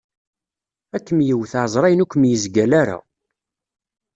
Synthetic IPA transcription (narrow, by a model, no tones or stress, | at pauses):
ækːəmjəwθaʕzˤɾˤɑjnukʷːmjəzɡælæɾa̰